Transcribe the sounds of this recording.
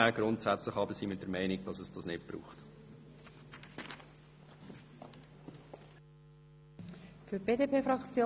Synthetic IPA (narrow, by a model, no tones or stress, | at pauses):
æɡ̥ɾʊntsæt͡slɪχɑbəsiːmɪt̚d̥əɾmæɪnɪɡ̚d̥ɑsɛsd̥ɑsnɪt̚b̥ɾṵːχt | fyb̥eːdepeːfɾʁɑkt͡sjo